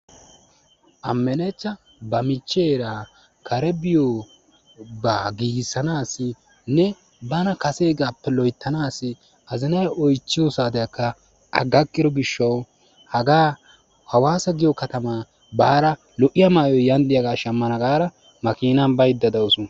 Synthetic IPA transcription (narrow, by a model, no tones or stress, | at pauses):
ʔɐmːɛnet͡ʃːɐ | bɐmɪt͡ʃːeːɾaː | kʰɐɾɛbɪjo | baːɡiːɡɪsːɐnaːsɪ | nɛ | bɐnɐkɐse̞ːɡaːpːɛlɔjt̪ːɐnaːsɪ | ɐzɪnɐjɔjt͡ʃːɪjɔsaːd̪ɐjɐkːɐ | ɐ̰ɡɐkːɪd̪ɔɡɪʃːɐw | hɐɡaː | hɐwaːsɐɡɪjɔkɐt̪ɐma | baːɾɐ | lɔʔɪjɐmaːjɔjɐnd̪ɪjɐɡaːʃɐmːɐnɐɡaːɾɐ | mɐkiːnɐnbɐjd̪ːɐd̪ɐwsʊ